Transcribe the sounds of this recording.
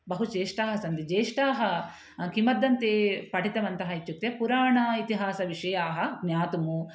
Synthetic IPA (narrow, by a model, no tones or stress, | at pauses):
bɐɦut͡ʃeːʂʈaːɦɐsɐnd̪id͡ʒeːʂʈaːɦɐ | kimɐd̪ːɐnt̪eːpɐʈit̪ɐʋɐnt̪ɐɦɐit͡ʃːuk̚t̪ːjepuɾaːɳɐit̪iɦaːsɐʋiʂɐjaːɦɐɡnʲjaːt̪umu